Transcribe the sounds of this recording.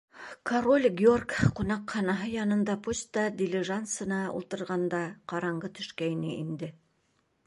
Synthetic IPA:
kʰɐrolʲɡʲorkqunɑqχɑnɑɦɤjɑnɤ̆nd̪ɑpusʲt̪ɑd̪ʲɪlʲɪʒant̪sɤ̆nɑṵlˠt̪ɤ̆ɾʁɑnd̪ɑqɑɾɑɴɢɤt̪ɵ̥̆ʃkæjnɘʔind̪ɘ

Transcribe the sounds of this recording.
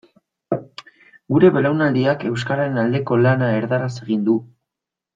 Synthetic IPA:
ɡuɾe̞βe̞lawnald̪iake̞wskaɾaɾenald̪e̞ko̞lanae̞ɾðaɾase̞ɣ̞ind̪u

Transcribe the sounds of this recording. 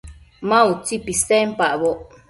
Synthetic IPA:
mãut͡sipisempaʔβoʔ

